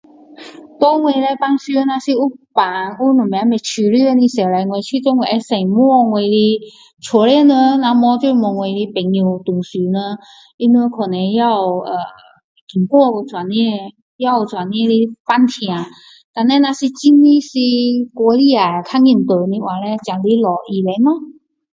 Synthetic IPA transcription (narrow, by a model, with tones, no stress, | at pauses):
t̪ɔ˦ŋwe˧le˧pa˧ŋɕy˧˦na˧si˧u˧˥pa˨˦ŋu˥nɔ˨˩m˧a˧˦me˨˩t͡ɕʰy˧ly˥˩˧ni˧˩sɛ˨˩la˧ŋwe˨˧t͡ɕʰy˥˧t̪ɔ˧˦ŋwe˨˧˩ʔɛ˧se˨˩mwɔ˥˧ŋwe˧jli˧ | t͡sʰwɔ˧˦lɛ˥˨nə˧na˧mɔ˧˦t͡ɕjo˥˧˩mɔ˨˧˩ŋwe˧li˧pe˨˩ŋjo˨˧˩t̪u˨˩ŋɕy˨˦nə˧˦ | i˧˦nə˧˦kʰɔ˨˩nɛ˧ja˧wə˨˩ | ki˨˩˨ŋkwɔ˥˧ko˧˩t͡swa˨˩nĩ˥˧˥ | ja˥˧˨t͡sʰwa˨˩nːĩ˧li˧fa˧˥nt̪ʰj̃ã˨˩ | t̪a˧nːɛ˧nã˧si˧t͡ɕi˧˦nnĩ˧si˧kɔ˧li˧˨a˨˩˨kʰa˧˥ŋi˧˩˨nt̪ə˨nĩ˧wa˨˩lɛ˧t͡ɕja˨˩ŋli˧˦lɔ˨˩ʔi˧le˨˧˦nɔ˧˦